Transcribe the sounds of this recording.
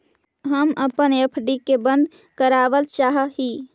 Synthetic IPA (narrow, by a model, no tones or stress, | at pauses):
ɦəməpənjəpʰɖikebə̃nd̪ | kəɾabəlt͡ʃaɦəɦi